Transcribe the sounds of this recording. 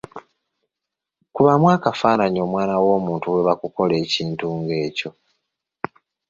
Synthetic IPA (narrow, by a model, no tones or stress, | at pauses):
kuβamwaːkafaːnaɲio̞mwaːnawo̞ːmuːntuwe̞βakuko̞le̞ːciːntuːŋɡe̞ːco̞